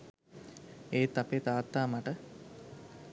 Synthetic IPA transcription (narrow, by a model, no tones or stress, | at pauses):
eːt̪apet̪aːt̪ːaːmaʈə